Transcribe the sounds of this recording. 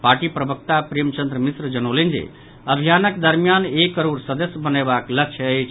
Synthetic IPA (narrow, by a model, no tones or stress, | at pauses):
paɾʈipɾəbək̚t̪apɾemt͡ʃə̃nd̪ɾəmisɾd͡ʒənolind͡ʒḛ | əbʱijanəkd̪əɾmijanekːəɾoɾsəd̪əsjəbənebakləkt͡ʃʰəəjt͡ʃʰ